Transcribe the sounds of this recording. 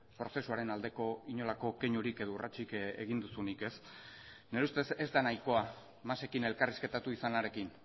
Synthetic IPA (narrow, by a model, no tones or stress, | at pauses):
pɾo̞se̞suaɾe̞nald̪e̞ko̞iɲo̞lako̞keɲuɾike̞ðourʔat͡ʃikḛɣind̪usunike̞s | neɾeust̪e̞se̞zd̪anajko̞a | mase̞kine̞lkariske̞t̪at̪uisanaɾe̞kin